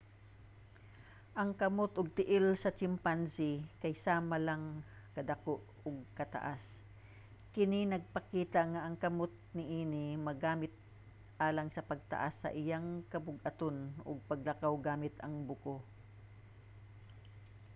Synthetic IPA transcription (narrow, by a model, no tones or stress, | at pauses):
ʔɐŋkɐmot̪ʔʊɡ̚t̪ɪʔɪlsɐt͡ʃɪmpansɪkɐjsaːmɐlaŋ | kɐd̪ɐkoʔ | ʊɡ̚kɐt̪a̰ʔas | kɪninɐɡ̚pɐkiːt̪aŋaʔɐŋkɐmot̪̚nɪʔiːnɪmɐɡaːmɪt̪̚ | ʔaːlɐŋsɐpɐɡ̚t̪ɐ̰ʔasːɐ̰ʔɪjaŋkɐbʊɡɐt̪onʊ̰ɡ̚pɐɡlɐkawɡaːmɪt̪ɐŋbʊko